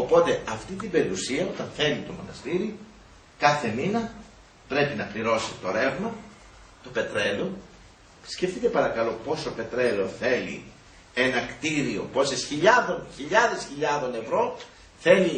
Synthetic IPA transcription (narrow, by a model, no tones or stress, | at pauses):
o̞po̞t̪e̞ɐft̪it̪ibe̞ɾiusiɐo̞t̪ɐnθe̞lit̪o̞mo̞̰nɐ̰st̪iɾi | kɐθe̞minɐ | pɾe̞pinɐpliɾo̞sit̪o̞ɾe̞vmɐ | t̪o̞pe̞t̪ɾe̞lo | scefθit̪e̞pɐɾɐkɐlo̞po̞so̞pe̞t̪ɾe̞lo̞θe̞lḭ | enɐkt̪iɾio̞̰po̞sesçiʎɐðo̞nçiʎɐðe̞sçiʎɐðo̞ne̞vɾo̞ | θe̞li